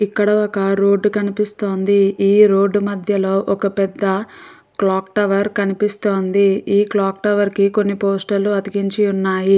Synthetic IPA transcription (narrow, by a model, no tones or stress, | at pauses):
ikːɐɽɐɔkɐɾoːɖkɐnipist̪o̞ːnd̪iiːɾoːɖːmɐd̪ʱjɐlo̞ːʔɔkɐpɛd̪ːɐ | klaːkʈɐʋɐɾkɐnipist̪o̞ːnd̪iiːklaːk̚ʈɐʋɐɾkiko̞nːipoːsʈɐlːuɐd̪iɡiɲt͡ʃiunːaːji